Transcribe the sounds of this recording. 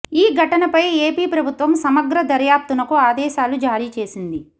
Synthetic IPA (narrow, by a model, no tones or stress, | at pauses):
iːɡʱɐʈɐnɐpɐjeːpiːpɾɐbʱut̪ʋɐmsɐmɐɡɾɐd̪ɐɾjaːp̚t̪unɐkuaːd̪ɛːʃaːlud͡ʒaːɾiːt͡ʃe̞ːsind̪i